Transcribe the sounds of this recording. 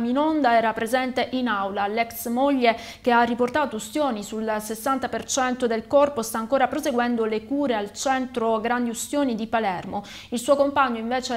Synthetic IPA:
minond̪aɛːɾapɾezɛnt̪eʔinawlalɛksmoʎːe | k̟earːiport̪aːt̪oust̪joːnisulsesːant̪apert͡ʃɛnt̪od̪elkɔrpost̪aːŋkoːɾapɾozeɡwɛnd̪olekuːɾealt͡ʃɛnt̪ɾoɡɾand̪iust̪joːnid̪ipalɛrmo | ilsuːokompaɲːoiɱveːt͡ʃe

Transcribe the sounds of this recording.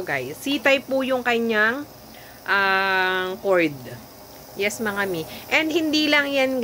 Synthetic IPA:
ɡajsːiːt̪ɐjpujʊŋkɐɲaŋ | ʔa | koɹd̪ | jɛsmɐŋamiʔɛnd̪̚hɪnd̪iːlɐŋjanɡ

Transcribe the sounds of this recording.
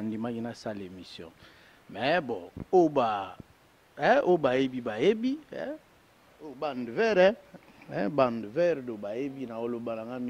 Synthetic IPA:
ndimakinasalemisjɔ̰̃ | mɛbɔ̃oba | obajebibajebḭ | obandvɛʁɛ | ɛbandvɛʁdobajebinaolobanaŋɡam

